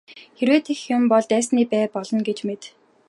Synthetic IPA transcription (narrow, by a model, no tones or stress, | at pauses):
xeɾweːt̪ʰexjʊmpɔɮt̪æːsniːpæːpɔɮɞ̆nɡet͡ɕmet̪